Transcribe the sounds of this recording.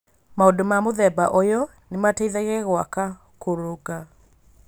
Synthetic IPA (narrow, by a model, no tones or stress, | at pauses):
maodomamoðɛbaʔɔjɔ | nemateiðɛɣɛɣwaka | koɾoɡa